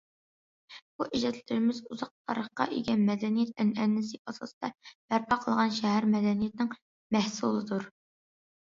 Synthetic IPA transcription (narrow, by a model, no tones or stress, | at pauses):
b̥uʔiʒɛt̪ʰlɪɾɪmɪzuzɑq̚t̪ʰɑ̰ɾəχqɑ̰ʔḭɡʲɛnmɛd̪ɛnijɛt̪ɛnɛnːɪsɨʔɑsɑ̰sɨd̪̥ɑb̥æɾpʰɑqʰəlˠʁɑnʃɛɦæɾmɛd̪ɛnijɛt̪̚nɪŋ | mɛhsulˠɨd̪uɾ